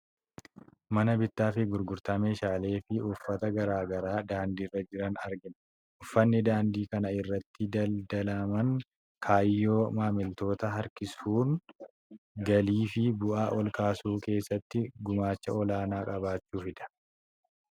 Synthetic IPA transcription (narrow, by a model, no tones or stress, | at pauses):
mɐnɐbɪt̪ːaːfɪɡʊɾɡʊɾt̪ɐme̞ːʃaːle̞ːfɪʊfːɐt̪ɐɡɐɾaːɡɐɾaːd̪aːnd̪iːrːɐd͡ʒɪɾɐnɐɾɡɪn | ʔʊfːɐnːɪd̪aːnd̪iːkɐnɐɪrːɐt̪ːɪd̪ɐld̪ɐlɐmɐŋ | kʰaːjːo̞ːmaːmɪlt̪o̞ːt̪ɐɦɐɾkɪsuːŋ | ɡɐliːfɪbʊʔaːʔɔlkaːsuːke̞ːsːɐt̪ːɪɡʊmaːt͡ʃːɐɔlaːnaːkʼɐbaːt͡ʃːuːfɪd̪ɐ̥